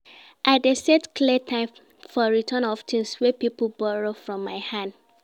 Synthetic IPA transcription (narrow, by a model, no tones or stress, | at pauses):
ʔaɪdesedkʰlitʰãɪ̃m | fɔɹitʰɜ̃nɔftʰĩŋswɛpipl̩bɔɹofɹɔ̃mːaɪhãnd̥